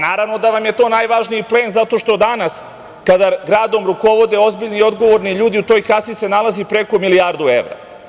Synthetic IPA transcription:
naːɾaʋno̞d̪aʋamje̞t̪o̞ːnajʋaʒniipleːnzat̪o̞ʃt̪o̞d̪anas | kad̪aɡɾaːd̪o̞mɾuko̞ʋo̞d̪e̞o̞zbiʎniio̞d̪ɡo̞ʋo̞ɾniʎuːd̪iut̪o̞jkasise̞nalˠazipɾe̞komilijaɾd̪uḛʋɾa̰

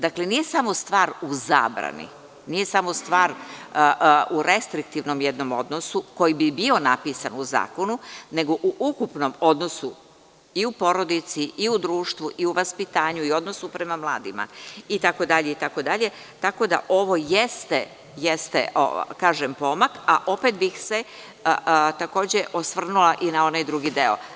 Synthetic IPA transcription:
d̪akle̞nije̞samo̞st̪ʋaːɾuza̰ːbɾa̰nḭ | nije̞samo̞st̪ʋaːɾ | uɾest̪ɾik̚t̪iʋno̞mjed̪no̞mo̞̰d̪no̞suko̞jibibio̞napiːsanuza̰ːko̞nune̞ɡo̞ʔuʔukupno̞mo̞d̪no̞su | iupo̞ɾo̞d̪it̪siʔiud̪ɾuːʃt̪ʋuʔiuʋaspit̪aːɲuio̞d̪nosupɾe̞mamlˠaːd̪ima̰it̪ako̞d̪aʎeit̪ako̞d̪aʎe̞ | t̪ako̞d̪a̰ʔo̞ʋo̞jest̪e | jest̪ḛo̰kaːʒempo̞makaʔo̞pet̪bixse̞ | t̪ako̞ːd͡ʑe̞ʔo̞sʋr̩nulˠaʔinao̞najd̪ɾuɡid̪e̞o̰

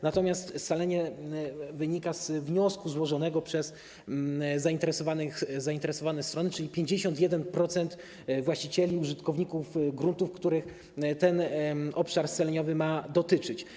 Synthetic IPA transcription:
nat̪ɔmʲjast̪salɛɲɛ | vɘɲikazvɲɔskuzwɔʐɔnɛɡɔpʂɛz | zaint̪ɛɾɛsɔvanɘxzaint̪ɛɾɛsɔvanɛst̪ɾɔnɘt͡ʂɘlʲipʲjeɲd͡ʑeɕɔnt̪̬ʲjɛd̪ɛnpɾɔt̪sɛnt̪ | vwaɕt͡ɕit͡ɕɛlʲiuʐɘt̪kɔvɲikufɡɾunt̪ufkt̪uɾɘx | t̪ɛnɔpʂaɾsalɛɲɔvɘmad̪ɔt̪ɘt͡ʂɘt͡ɕ

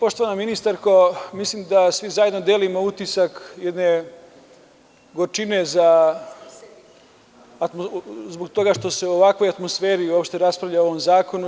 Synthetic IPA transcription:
po̞ʃt̪oʋanaminist̪aɾkomislimd̪asʋizajed̪nod̪elimo̞ut̪isakjed̪ne̞ | ɡot͡ʃine̞za | t̪mozbokt̪o̞ɡaʂt̪o̞se̞uoʋakʋo̞jat̪mosfeːɾiuopʃt̪e̞ɾaspɾaʋʎaoʋomzaːkonu

